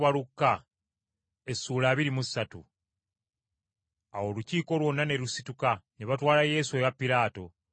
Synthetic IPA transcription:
βalukːa | e̞suːlaːβiɾimusːatṵ | awo̞ːluciːko̞lwo̞nːane̞ɾusitukaneβatwaːlaje̞ːsue̞ɣapːiɾaːto̞

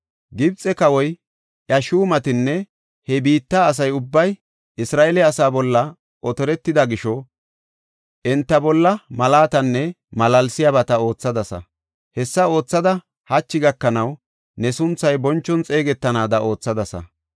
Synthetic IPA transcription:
ɡɪbt͡sʼːɛkɐwɔj | ʔɐʃuːmɐt̪ɪnːɛ | hɛbiːt̪ːaːs̬ɐjʊbːɐj | ʔɪsɾaːɛlɛɐsaːbɔlːɐ | ʔɔt̪ɔɾɛt̪ːɪd̪ɐɡɪʃɔ | ʔɛnt̪ːɐbɔlːɐmɐlaːt̪ɐnːɛ | mɐlɐlsɪjɐbɐt̪ɐo̞ːt͡sːɐd̪ɐsɐ̰ | hɛsːɐo̞ːt͡sːɐd̪ɐ | hɐt͡ʃːɪɡɐkːɐnɐw | nɛsʊnt͡sːɐjbɔnt͡ʃːɔnt͡sʼeːɡɛt̪ːɐnaːd̪ɐʔo̞ːt͡sːɐd̪ɐsɐ̰

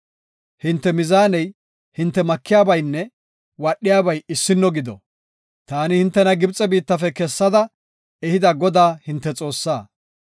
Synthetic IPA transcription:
hɪnt̪ːɛmɪzaːnɛj | hɪnt̪ːɛmɐkːɪjaːbɐjnːɛ | wɐɗːɪjaːbɐjɪsːɪnːɔɡɪd̪ɔ̰ | t̪aːnɪhɪnt̪ːɛnɐɡɪbt͡sʼɛbiːt̪ːɐfɛkɛsːɐd̪ɐ | ɛhɪd̪ɐɡɔd̪aːhɪnt̪ːɛt͡sʼo̞ːsːaː

